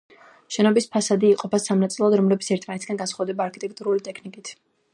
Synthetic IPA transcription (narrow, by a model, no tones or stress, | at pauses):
ʃɛnɔbispʰasad̪iːqʼɔpʰasamnat̪sʼilˠɔd̪ɾɔmlɛbitsʰɛɾt̪ʰmanɛt̪sɡanɡansχwavd̪ɛbaːɾkʰit̪ʼɛk̚ʰt̪ʼuɾulit̪ʼɛkʰnikʼit̪ʰ